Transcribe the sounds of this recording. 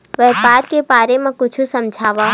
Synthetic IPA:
ʋɛːpaːɾkebaːɾemẽkʊt͡ʃʰusɐ̃md͡ʒʱaːʋa

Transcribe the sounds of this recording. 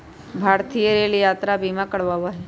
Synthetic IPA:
bʱaːɾt̪ijəɾeːljaːt̪ɾabʱiːmãkəɽʋaʋaɦɛ

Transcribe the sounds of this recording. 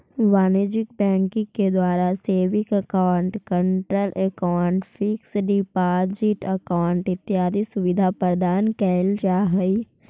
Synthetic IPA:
ʋaːned͡ʒɪk̚bɛ̃ːŋkɪ̃ŋked̪waːɾaseːʋɪkəkaːɳʈkə̃ɳʈɾəlʔɛkaɳʈfɪksɖɪpaːd͡ʒɪʈɐkaʊɳʈɪt̪ːɪjaːd̪isʊʋɪd̪ʱapəɾd̪aːnkɛld͡ʒaːɦəi

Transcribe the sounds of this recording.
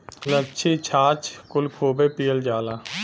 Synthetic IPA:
lət͡ʃʰiːt͡ʃʰaːt͡ʃkʊlkʰoːbeːpiːəld͡ʒaːlaː

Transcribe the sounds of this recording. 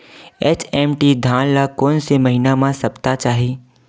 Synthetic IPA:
eːt͡ʃʰɛːmʈid̪ʱãːnlakoːnsemɐɦinamãsɐpt̪at͡ʃaːɦiː

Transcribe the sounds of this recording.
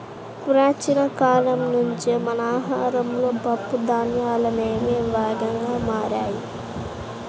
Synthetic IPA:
puɾaːt͡ʃinɐkaːlɐmnuɲt͡ʃimɐnaːɦaːɾɐmlo̞ːpɐpːud̪aːnjaːlɐneːmeːʋaːɡɐŋɡaːmaːɾaːji

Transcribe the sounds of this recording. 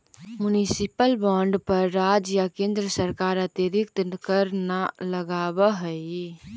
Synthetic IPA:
mʊnisɪpəlbɔ̃ːɳɖpəɾːaːd͡ʒjakẽːnd̪ɾəsəɾkaːɾat̪eɾɪk̚t̪kəɾnaləɡaːbaɦɛ

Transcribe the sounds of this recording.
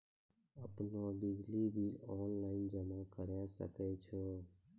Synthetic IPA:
əpnod̪ɪd͡ʒlibʱilɔːnlaɪnd͡ʒəmakəɾjaʃə̰kɛt͡ʃʰo

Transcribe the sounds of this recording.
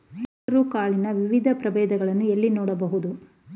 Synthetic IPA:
ɾukaːɭinɐʋiʋid̪ʱɐpɾɐbɛːd̪ɐɡɐɭɐnːuelːinɔːɽɐbɐɦud̪u

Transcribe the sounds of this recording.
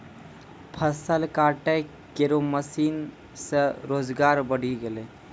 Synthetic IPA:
pʰəsəlkaːʈe | keɾoməsiːn | səɾoːd͡ʒɡaːɾbəɽ̤iɡele

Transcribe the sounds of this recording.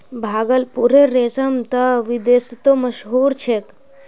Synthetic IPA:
bʱaːɡəlpuɾeɾeːsɐmt̪ɐʋid̪eːst̪omɐʃɦuːɾt͡ʃʰek

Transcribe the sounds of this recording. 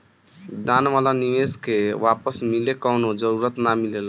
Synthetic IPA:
d̪anʋalaniʋeskeʋapəsmilekənod͡ʒəɾuɾət̪namilela

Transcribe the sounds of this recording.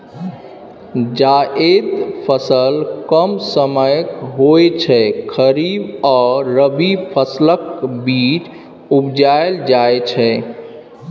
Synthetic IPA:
d͡ʒaʔed̪pʰəsəlkəmsəməjkɦojt͡ʃʰɛkʰəɾibɔɾəbipʰəsləkbit͡ʃ | ubd͡ʒaeld͡ʒaet͡ʃʰɛ

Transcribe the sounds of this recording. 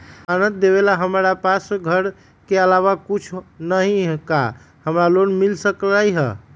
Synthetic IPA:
anə̃t̪̚d̪eβelaɦəmɾapasɡʱəɾ | keəlaβakut͡ʃʰnəɦĩka̰ | həmɾalonmilsəklajɦə̰

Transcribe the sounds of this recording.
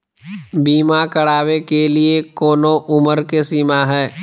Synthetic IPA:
biːmakəɽaːwekeliekoːnõʔʊməɾkesiːmaɦɛː

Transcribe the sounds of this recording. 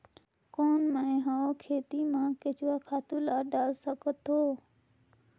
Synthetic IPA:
koːnmə̃ẽɦãokʰeːt̪imãːket͡ʃʋakʰaːt̪ulaːɖaːlsəkət̪oː

